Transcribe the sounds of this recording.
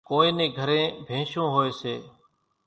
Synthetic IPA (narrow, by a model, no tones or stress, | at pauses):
koːẽːnẽːɡʱəɾẽːbʱẽːʃõːɦoːeːseː